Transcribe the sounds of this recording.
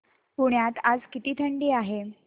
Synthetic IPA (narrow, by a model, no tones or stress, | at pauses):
puɳjat̪ad͡zkit̪iːt̪ʰəɳɖiːaɦe